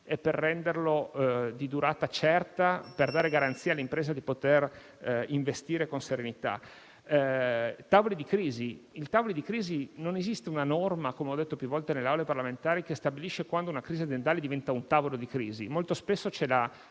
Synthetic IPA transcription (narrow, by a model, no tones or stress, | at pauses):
epːerːɛnd̪erlod̪id̪uɾaːt̪at͡ʃɛrt̪aperd̪aːɾeɡaɾant̪siːalːimpɾeːzad̪ipot̪er | iɱvest̪iːɾekonseɾenit̪a̰ | t̪aːvolid̪ikɾiːziilt̪aːvolid̪ikɾiːzinonezist̪eunanɔrmakomeɔd̪ːet̪ːopjuvɔlt̪eneleawleparlament̪aːɾikest̪abiliʃekwand̪ounakɾiziad̪jent̪aːled̪ivɛnt̪aunt̪aːvolod̪ikɾiːzḭmolt̪ospesːot͡ʃɛla